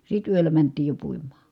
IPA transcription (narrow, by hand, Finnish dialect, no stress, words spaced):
sit yølːæ mæntˑiːj jo puimˑɑː